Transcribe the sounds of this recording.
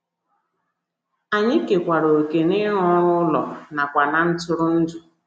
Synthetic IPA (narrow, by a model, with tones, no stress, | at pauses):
a˨ɲɪ˦ke˨kʷa˨ɾo˨ke˨nɪ˦ɾɔ˦ɾʊ˦ʊ˦lɔ̰˨na˨kʷa˨na˨n̩˦tʊ˦ɾʊ˦n̩˦du˨